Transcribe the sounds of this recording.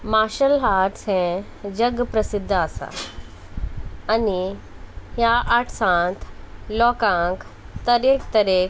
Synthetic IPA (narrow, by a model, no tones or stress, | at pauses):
maːʃəlɦaːʈsɛ̃ | d͡ʑɐɡpɾəsɪd̪ʱːasa̰ | əni | ɦjaʔaʈʰsãːnt̪ʰlɔːkãk | t̪ɐɾeːkt̪ɐɾek